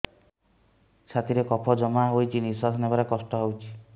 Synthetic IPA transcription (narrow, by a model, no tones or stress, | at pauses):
t͡ʃʰat̪ʰiɾekɔpʰɔd͡ʒɔmaɦojt͡ʃʰinisasʰɔnebaɾekɔsʈɔɦowt͡ʃʰi̥